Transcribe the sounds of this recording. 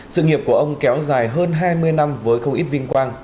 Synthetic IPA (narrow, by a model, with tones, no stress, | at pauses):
sɨ̰˧˨ŋi˨˩əp̚ku˧˩əʔə˧wŋ͡mkɛ˨˦wzaː˨˩jɦəː˧nɦaː˧jmɨ˧əjna˧mvəː˨˦jxə˧wŋ͡mʔi˦˥t̚vï˧ŋ̟kwaː˧ŋ